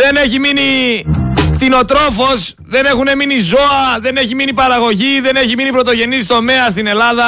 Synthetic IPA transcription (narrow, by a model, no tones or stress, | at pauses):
ðe̞ne̞çimini | t̪ino̞t̪ɾo̞fo̞s | ðe̞ne̞xune̞minizo̞ɐðe̞ne̞çiminipɐɾɐɣo̞ʝiðe̞neçiminipɾo̞t̪o̞ʝe̞nist̪o̞me̞ɐs̬t̪ine̞lɐðɐ